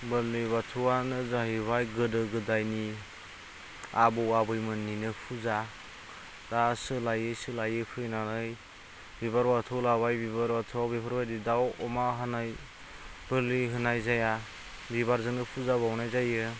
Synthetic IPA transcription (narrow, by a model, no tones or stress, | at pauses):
bɯliβatʰuwanɯzaɦiβajɡɯdɯɡɯdajni | abɯwabɯjmɯnːinɯpʰuza | dasɯlajɯsɯlajɯpʰɯjnanɯj | bibaɾbatʰɯwlabajbiβaɾbatʰuwawbipʰaɾbadidawɔmaɦanaj | b̥ɯliɦɯnajzaja | biβaɾzɯŋnɯpʰuzabawnajzajɯ